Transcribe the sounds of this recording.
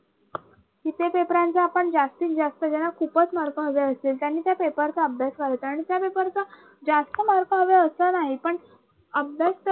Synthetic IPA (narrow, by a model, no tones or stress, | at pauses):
kit̪epepɾant͡saːpəɳd͡zast̪iːkd͡zast̪əd͡ʑɛnːakʰupət͡smaɾkə̃ɦəʋeəst̪iːlt̪janːiːt̪japepəɾt͡saəbʱjasʋaɾɦt̪aːɽ̃it̪japepəɾt͡sa | d͡zast̪əmaɾkəɦəʋeəsənaɦipəɳ | əbʱjast̪ə